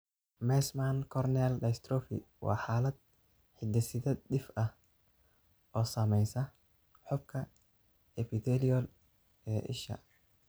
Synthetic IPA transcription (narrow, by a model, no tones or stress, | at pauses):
mɛsmankʰɔrnɛldɐjst̪ɾɔfɪ̰wʔɑ̰ːħaːlɐd̪̚ | ħɪd̪ɛsɪðɐd̪ɪfɐh | ʔɔːsaːmɛjsɐ | ħɔb̚kʰɐ | ɛpɪt̪ɛliɔl | ɛːʔɪ̰ʃɐ̰